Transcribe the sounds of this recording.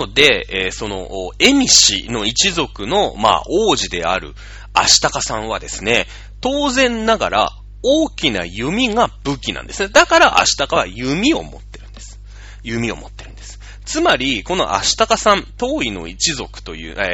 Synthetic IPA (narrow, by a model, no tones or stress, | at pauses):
od̪e̞eːso̞no̞̰e̞mʲiɕḭno̞it͡ɕizo̞kɯ̟no̞ma̰ːʔoːʑid̪e̞̰a̰ɾɯ̟̰ | a̰ɕi̥t̪akasãɰ̃β̞ad̪e̞sɨne̞ | t̪o̞ːzẽ̞nːaɡaɾa̰ | oːkʲina̰jɯ̟mʲiɡab̥ɯ̟kʲinã̰nd̪e̞sɨne̞d̪akaɾaʔa̰ɕi̥t̪akaβa̰jɯ̟mʲio̞̰mo̞̰t̪ːe̞ɾɯ̟̃nd̪e̞sɨ̥ | jɯ̟mʲio̞̰mo̞t̪ːe̞ɾɯ̟̃nd̪̥e̞sɨ̥ | t͡sɨmaɾʲiko̞no̞̰ʔa̰ɕi̥t̪akasãnt̪o̞ːino̞̰it͡ɕizo̞kɯ̟̥t̪o̞jɯ̟̰ː